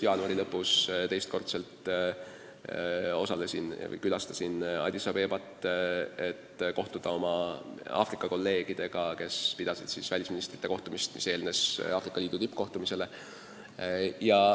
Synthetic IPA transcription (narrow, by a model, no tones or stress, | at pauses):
jɑːnuɑɾilɤpːˑust̪e̞jst̪̚ko̞rt̪se̞lt̪ | o̞sɑlesinvɤ̰jkylɑst̪ɑsinɑ̰d̪ʲisɑpe̞ːb̥ɑt̪ːˑe̞t̪ko̞ht̪ud̪̥ɑo̞mɑɑ̰ːfrikːˑɑko̞lːe̞ːɡ̥id̪̥e̞ɡ̥ɑke̞spid̪̥ɑsid̪siːsvælʲisminist̪rit̪ːe̞ko̞ht̪umist̪mi̥̰se̞ːlne̞sɑːfrikːˑɑliːd̪ut̪ypːˑko̞ht̪umise̞le̞ | jɑ